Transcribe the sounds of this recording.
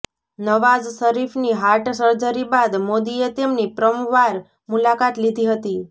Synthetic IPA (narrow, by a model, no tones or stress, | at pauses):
nəʋad͡ʒsəɾifniɦaɾʈsəɾd͡ʒəɾibad̪mod̪iet̪emnipɾəmuʋaɾ | mulakat̪lid̪ʱiɦət̪i